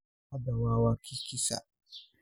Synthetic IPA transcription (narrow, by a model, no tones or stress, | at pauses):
adawawakʰikisa̰